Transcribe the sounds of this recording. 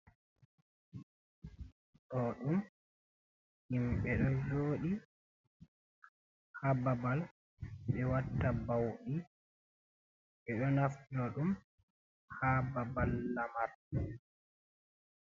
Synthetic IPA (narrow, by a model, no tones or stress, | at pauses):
ɗɔɗum | himɓɛɗɔd͡ʒoːɗi | hababal | ɓɛwatːabawɗi | ɓɛɗɔnaftdɔɗum | hababalːamaɾ